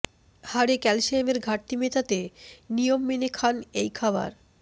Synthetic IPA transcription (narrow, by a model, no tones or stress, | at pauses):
haɾekɛlʃiemeɾɡʱaʈ̚t̪imet̪at̪enijomːenekʰanejkʰaba̰ɾ